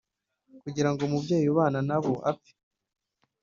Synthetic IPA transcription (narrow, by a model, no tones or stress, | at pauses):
kuɟiɾaŋɡomubɟeːjuβaːnanaβoʔa̰pi̥